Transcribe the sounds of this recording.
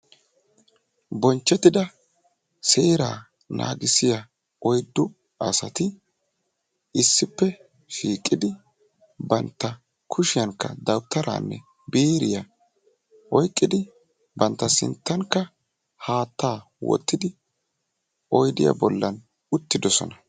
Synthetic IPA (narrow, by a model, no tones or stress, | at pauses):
bɔnt͡ʃːɛt̪ːɪd̪ɐ | seːɾa̰ː | nʔa̰ːɡɪsɪjɐ | ɔjd̪ːʊ | ɐsɐt̪ɪ | ɪsːɪpːɛ | ʃiːkʼːɪd̪ɪ | bɐnt̪ːɐ | kʰʊʃɪjɐŋkːɐ̰d̪ɐwt̪ʰːɐɾa̰ːnːɛ̰ | beːɾɪjɐ | ɔjkʼːɪd̪ɪ | bɐnt̪ːɐsɪ̰nt̪ːɐŋkːɐ | haːt̪ːaː | wɔ̰t̪ːɪd̪ɪ | ɔjd̪ɪjɐ̰bɔlːɐn | ʊt̪ːɪd̪ɔsɔ̰nɐ